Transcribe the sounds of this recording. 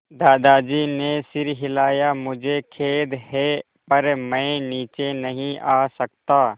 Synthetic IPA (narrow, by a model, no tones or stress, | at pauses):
d̪aːd̪aːd͡ʒiːnesɪɾɦɪlaːjamʊd͡ʒʱekʰeːd̪ɦɛː | pɐɾmɛ̃ːniːt͡ʃenəɦĩʔaːsək̚t̪aː